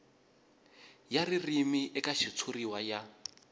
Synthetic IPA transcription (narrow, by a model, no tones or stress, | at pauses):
jaririmiʔɛkaʃit͡sʰuriwaja